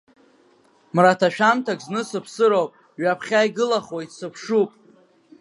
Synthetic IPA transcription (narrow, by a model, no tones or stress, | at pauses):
mratʰaʃᶣamtʰakʼznɨsɨpʰsɨɾowpʼ | ɥapʰχʲajɡɨlaχojtsɨpʰʂupʼ